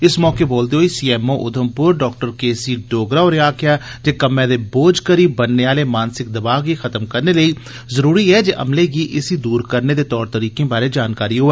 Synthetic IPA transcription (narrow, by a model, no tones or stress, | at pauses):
ɪsmɔːkeːboːld̪eːɦoːiːsiːɛːmõːʔʊd̪ʱəmpʊɾɖɔːk̚ʈəɾkeːsiːɖoːɡɾaːoːɾeaːkɪjaːd͡ʒeːkəmẽːd̪eːboːd͡ʒkəɾiːbənːeːaːleːmaːnsɪk̚d̪əbaːɡɡiːxʰət̪əmkəɾneːləiː | zəɾuːɾiːɦɛːd͡ʒeːʔə̰mleːɡiːʔɪsiːd̪uːɾkəɾneːd̪eːt̪ɔːɾt̪əɾiːkẽːbaːɾeːd͡ʒaːnkaːɾiːɦoːɛː